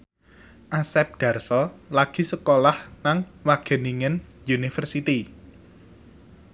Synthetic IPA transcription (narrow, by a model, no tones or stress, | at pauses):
ʔasɛp̚d̪̥ä̤rsɔlaɡ̥i̤səkolahnaŋwaɡ̥ə̤niŋən | junifərsit̪i